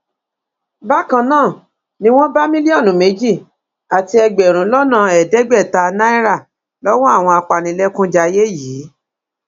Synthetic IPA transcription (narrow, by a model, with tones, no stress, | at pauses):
ba˦kã˧nãː˦˨ | nĩ˦w̃ɔ̃˦ba˦mĩ˦li˦ɔ˦˨nũ˨˦me˨˦d͡ʒi˦˨ | a˨ti˧ɛ˧ɡ͡bɛ˨ɾ̃ũ˨˦lɔ˦nã˦˨ɛ˨dɛ˨˦ɡ͡bɛ˦˨ta˧nã˦i˦ɾa˦˨ | lɔ˦wɔ̃˦a˦˨w̃ɔ̃˧a˧k͡pa˨nĩ˨˦lɛ˦kũ˦d͡ʒa˧je˦jiː˨˦